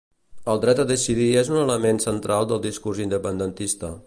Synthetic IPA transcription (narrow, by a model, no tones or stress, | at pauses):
əlˠd̪ɾɛt̪əðəsiðiezunələmensənt̪ɾalˠd̪əlˠd̪iskurzind̪əpənd̪ənt̪ist̪ə